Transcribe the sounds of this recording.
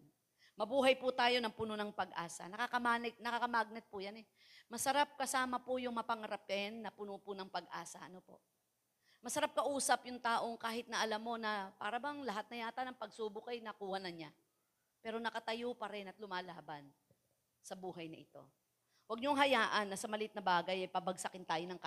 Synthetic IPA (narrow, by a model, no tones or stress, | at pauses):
mɐbuːɦɐjpʊt̪aːjo̞nɐŋpunonɐŋpɐɡʔa̰ːsɐ̰nɐkakɐmaːnɛk̚nɐkakɐmaɡ̚nɐt̪̚pʊjanɛ | mɐsɐɾap̚kɐsaːmɐpʊjʊŋmɐpɐŋɐɾapɛnːɐpʊnopʊnɐŋpɐɡʔaːsɐʔɐnopo̞̰ʔ | mɐsɐɾap̚kɐʔuːsɐpjʊŋt̪aːʔo̞ŋkaːhɪt̪nɐʔɐlamːo̞nɐpa̰ːɾɐbɐŋlɐɦat̪̚nɐjaːt̪ɐnɐŋpɐɡ̚suːbʊkɐjnɐkuːhɐnɐɲa | pɛːɾo̞nɐkɐt̪ɐjopɐɾɛnɐt̪lʊmaːlaːbɐn | sɐbuːɦɐjnɐ̰ʔɪt̪o̞̰ | wɐɡ̚ɲoŋɦɐjaːʔɐnːɐsɐmɐlɪt̪̚nɐbaːɡɐjɐjpɐbɐɡsɐkɪnt̪aːjonɐŋka